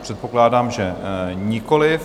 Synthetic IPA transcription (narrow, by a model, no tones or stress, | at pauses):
pr̥ɛt̪̚po̞klaːdaːmʒɛɲɪko̞lɪf